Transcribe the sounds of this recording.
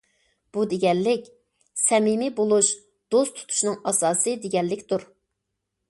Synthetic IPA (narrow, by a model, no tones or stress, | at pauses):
b̥ud̪eɡʲɛnlɪkʲ | sɛmimibolˠuʃ | d̪̥ost̪ʰu̥t̪ʰu̥ʃnɨŋɑsɑːsɨd̪eɡʲɛlːɪkʲt̪uɾ